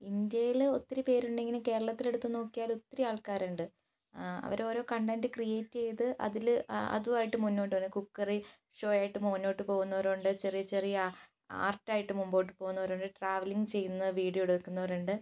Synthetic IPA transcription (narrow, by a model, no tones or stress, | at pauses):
ind̪jɐjilo̞t̪ːiɾipe̞ːɾuɳɖeŋːɡɐneke̞ːɾɐɭɐt̪ːile̞ɽut̪ːuno̞ːkːijaːlo̞t̪ːiɾiaːɭkaːɾuɳɖɨ | ɐ̰ʋɐɾo̞ːɾo̞ːkɐɳɖaːndɨkrijeːtːt͡ɕe̞jɐtɨʔɐ̰ðilɐ̰ðuʋaːjiʈːɨmunːo̞ːʈːɨuɳɨkukːɐri | ʂo̞ːjaːjiʈːɨmoːnːo̞ːʈːɨpo̞ːɣunːɐʋɐɾoɳɖɨt͡ɕerijɐt͡ɕe̞rijɐ | a̰ːrʈːaːjiʈːɨmumbo̞ːʈːɨpo̞ːɣunːɐʋɐɾoːɳɖɨʈraːʋɐliŋɡɨt͡ɕe̞jːunːɐʋiːɽijoɽukːunːɐʋɐɾuɳɖɨ